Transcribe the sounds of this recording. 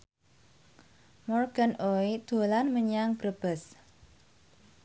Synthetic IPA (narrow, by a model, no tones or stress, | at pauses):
mɔrɡ̥ənoid̪̥o̤lanməɲaŋb̥ɾəb̥əs